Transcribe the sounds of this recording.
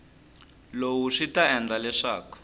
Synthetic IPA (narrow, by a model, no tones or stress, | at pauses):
lowuʂitaɛnd͡ɮalɛʂaːkɔ̥